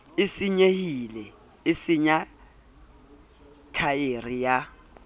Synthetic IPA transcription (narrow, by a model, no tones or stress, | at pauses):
ɪsɪɲehilɛ | ɪsɪɲa | tʰajerija